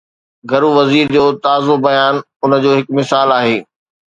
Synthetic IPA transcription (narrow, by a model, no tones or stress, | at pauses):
ɡʱɐɾuʋɐziːɾd͡ʑoːt̪aːzobɐjaːn | ʊnəd͡ʑoːɦɪkmɪsaːlaːɦeː